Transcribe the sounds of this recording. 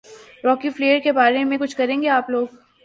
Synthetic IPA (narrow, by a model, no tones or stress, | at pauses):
ɾɔːkifleːəɾkebaːɾemẽkʊt͡ʃʰkɐɾẽːŋɡeaːploːɡ̚